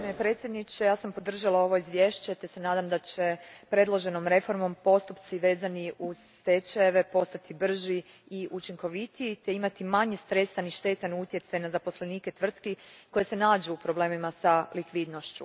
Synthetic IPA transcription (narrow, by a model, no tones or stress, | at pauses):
mepɾet̪sjed̪nit͡ɕe̞jaːsampo̞d̪r̩ʒalao̞ʋo̞izʋje̞ːʃt͡ɕet̪ese̞naːd̪amd̪at͡ɕe̞pɾe̞d̪lˠoʒe̞no̞mɾe̞fo̞ɾmo̞mpo̞st̪upt̪siʋe̞ːzaniuz̥ | t̪et͡ʃajeʋe̞po̞st̪at̪ʰibr̩ʒi | iʔut͡ʃiŋko̞ʋit̪iit̪e̞imat̪imaɲe̞st̪ɾe̞st̪aniʃt̪e̞ːt̪anut̪je̞t̪sajnazapo̞sle̞niːke̞t̪ʋr̩t̪kiko̞je̞se̞naːd͡ʒeupɾo̞ble̞ːmimasalikʋiːd̪no̞ʃt͡ɕṵ